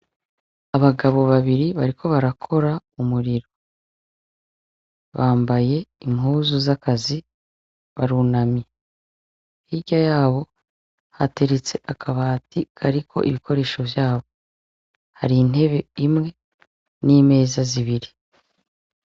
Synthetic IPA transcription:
aβaɡaβo̞βaβiɾiβaɾikʰo̞βaɾakʰo̞ɾaumuɾiɾo̞ | βaːmbaje̞imhuːzuzakazi | βaɾuːnamje | hiɟajaːβo̞ | hate̞ɾet͡se̞ʔakʰaβaːtikʰaɾikʰo̞̰ʔḭβiko̞ɾe̞ːʃo̞vjaːβo̞ | haɾiːn̥e̞βe̞imŋe̞ | niːme̞ːzaziβiɾi

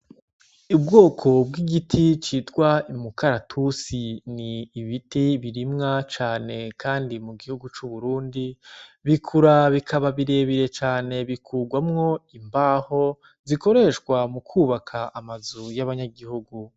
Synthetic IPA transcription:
ibɡo̞ːkʰo̞b̚ɡiɡitʰit͡ʃitɡ̥waimukʰaɾatʰusiniːβitiβiɾimŋat͡ʃaːne̞kʰaːndimuɡihuɡut͡ʃuβuɾuːndiβikʰuɾaβikʰaβaβiɾe̞βiɾe̞t͡ʃaːne̞βikʰuːɡwamŋo̞imbaːho̞ | ziko̞ɾe̞ʃkwamukʰuːβakʰaʔːmazujaβaɲaɡihuɡu

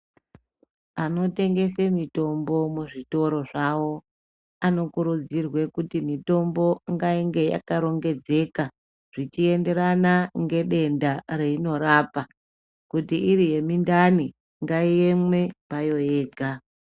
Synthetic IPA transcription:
ano̞te̞ŋɡe̞semito̞mbo̞muʐito̞ɾo̞ʐawo̞ | ano̞kuɾud͡zirwe̞kutimito̞mbo̞ŋɡaiŋɡe̞ja̰kaɾo̞ŋɡe̞d͡ze̞ka | ʐ̥it͡ʃie̞nde̞ɾanaŋɡe̞ɗe̞ndaɾeino̞ɾaːpa | kutiʔiɾije̞mindani | ŋɡaiemwe̞pajo̞jeːɡʱa

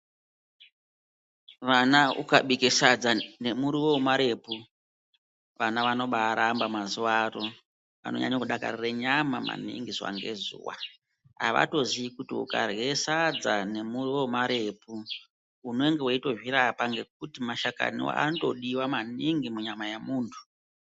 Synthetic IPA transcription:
ʋanaʔṵkaɓikesad͡zane̞muɾiwomaɾe̞pu | ʋanaʋano̞ɓaːɾambamazuwaro | ʋa̰no̞̰ɲa̰ɲakuɗaka̰rireɲamama̰nḭŋɡiswa̰ŋɡe̞zuːwa̰ | a̰ʋa̰to̞ziikutiṵka̰rɣe̞sad͡zane̞muriwomaɾe̞pu | une̞ŋɡeweito̞ʒwiɾapaŋɡe̞k̚utimaʃaka̰nḭwa̰anto̞ɗiwamaniŋɡimuɲamajemuːntʰu̥

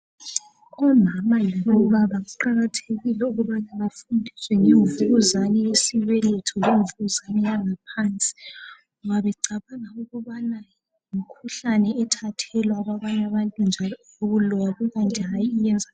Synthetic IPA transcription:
ɔmamajilɔβaβaɣuǃaɣatʰeɣilɛuɣuβanaβafundʱiswɛŋeɱvuɣuzanɛjesiβɛlɛtʰɔleɱvuɣuzanɛjaŋapʰant͡sʼi̥ŋɔβaβɛǀaβaŋauɣuβana | imikʰuɬanɛɛtʰatʰɛlwaɣwaβaɲaβantʼund͡ʒʱalɔ | oɣulɔjaɣuɣantʼiɦajiːjɛnd͡zʱa

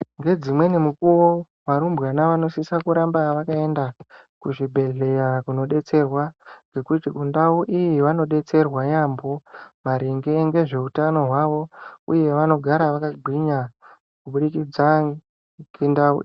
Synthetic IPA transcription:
ŋɡe̞d͡zimwe̞nemukuwo | ʋaɾumbwanaʋano̞sisakuɾambaʋakae̞nda | kuʐibʱe̞ɮe̞jakuno̞ɗe̞t͡se̞rwaŋɡe̞kutikundauʔijiʋano̞ɗe̞t͡se̞rwajambo̞maɾeŋɡe̞ŋɡe̞ʐe̞utano̞ɦwaʋo̞uje̞ʋano̞ɡʱaɾaʋakaɡʱwiɲa | kuɓuɗikid͡za | ɡendaṵ

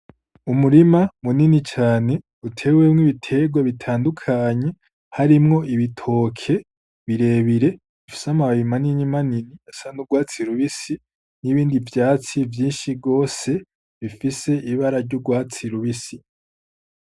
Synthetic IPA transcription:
umuɾimamuninit͡ʃaːne̞ | utʰe̞ːwemŋiβitʰe̞ɡwaβitʰaːndukʰaːɲe̞ | haɾimŋo̞ʔiβitʰo̞ːkʰe̞ | βiɾe̞ːβiɾe̞ | ifi̥samaβaimaninimaniniasanuɡwaːt͡siɾuβisi | niβiːndivjaːt͡sivjiːnʃiɡo̞ːse̞ | βifise̞iβaɾaɾɟuɡwaːt͡siɾuβisi

